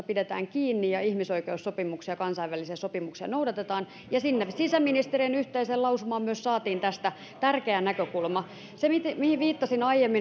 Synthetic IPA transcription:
ɑpidet̪æ̰ːŋkiːnːijɑihmisoikeussopimuksiɑkɑnsɑiʋælisiɑsopimuksiɑ̰noudɑt̪et̪ɑːn | jɑsinːesisæminist̪erienyht̪eiseːlɑusumɑːmmyøssɑːt̪iːnt̪æst̪æ | t̪ærkeænækøkulmɑ | semit̪mihiʋiːt̪ːɑsinɑijemːi

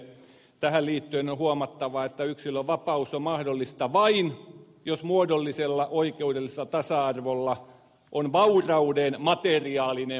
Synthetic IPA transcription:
t̪æhælliːt̪ːyenohuɑmɑt̪ːɑʋɑet̪ːæyksilːoʋɑpɑusomɑhdolːist̪ɑʋɑin | josmuodolːiselːɑʔoikeudelːiselːɑt̪ɑsɑɑrʋolːɑ | ʔonʋɑurɑudenmɑt̪eriɑːline

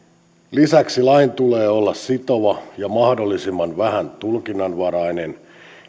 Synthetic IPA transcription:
lisæksilɑint̪uleːolːɑssit̪o̞ʋɑjɑmɑhdolːisimːɑnʋæhænt̪ulkinːɑnʋɑɾɑinen

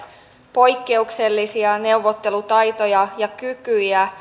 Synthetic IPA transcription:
po̞jkːe̞ukse̞lːisiɑne̞uʋot̪ːe̞lut̪ɑjt̪o̞jɑjɑkykyjæ

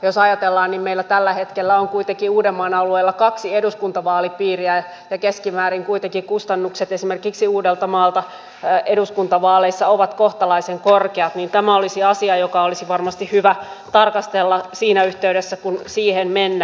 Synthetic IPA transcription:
josɑjɑt̪elːɑːnnimmeilːæt̪ælːæhet̪kelːæoŋkuit̪ekiuːdemːɑːnɑlueːlːɑkɑksieduskunt̪ɑʋɑːlipiːriæ | jɑkeskimæːɾiŋkuit̪eŋkikust̪ɑnːukset̪esimerkiksiuːdelt̪ɑmɑːlt̪ɑ | ʔeduskunt̪ɑʋɑːleisːɑoʋɑt̪koht̪ɑlɑiseŋkorkeɑt̪niːnt̪æmæolisiɑsiɑjokɑolisiʋɑrmɑst̪ihhyʋæt̪ɑrkɑst̪elːɑsiːnæyht̪eydesːækunsiːhenmenːæ

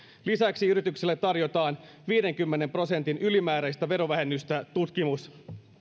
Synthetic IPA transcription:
lisæksiyɾit̪ykselːet̪ːɑrjo̞t̪ɑːn | ʋiːde̞ŋkymːe̞ne̞mpro̞se̞nt̪inʔylimæːɾæjst̪æʋe̞ɾo̞ʋæɦe̞nːyst̪æt̪ut̪k̟imus

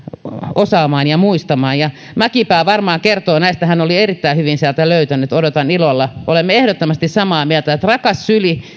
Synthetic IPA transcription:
osɑːmɑːnjɑmuist̪ɑmɑːnjɑ | mækipæːʋɑrmɑːkert̪oːnæist̪æhænolierit̪ːæihyʋinsiælt̪æløyt̪ænˑyt̪odot̪ɑnilolːɑʔolemːeehdot̪ːomɑst̪issɑmɑːmiælt̪æet̪rɑkɑssyli

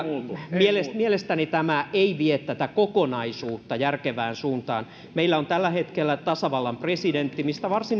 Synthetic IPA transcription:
mielesmielest̪ænit̪æmæeiʋiet̪ːæt̪ækokonɑisuːt̪ːɑjærkeʋæːnsuːnt̪ɑ̰ːn | meilːæont̪ælːæhet̪kelːæt̪ɑsɑʋɑlːɑmpresident̪ːimist̪æʋɑrsin

